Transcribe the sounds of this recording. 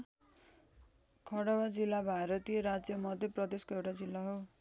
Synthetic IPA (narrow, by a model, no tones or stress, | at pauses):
kʰʌɽʌwad͡zilːabʱaɾʌt̪ijʌɾad͡zjʌmʌd̪ʱjʌprʌd̪eskoewʈad͡zilːaɦow